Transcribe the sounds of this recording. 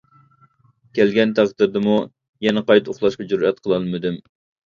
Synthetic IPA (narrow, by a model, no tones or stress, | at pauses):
kʲʰælɡʲɛnt̪ʰæqd̪ɨɾd̪ɨmu | jɛnɨqɑjt̪oχlˠɑʃqɑd͡ʒuɾɛt̪̚qʰəlˠɑlˠmɨd̪ɪm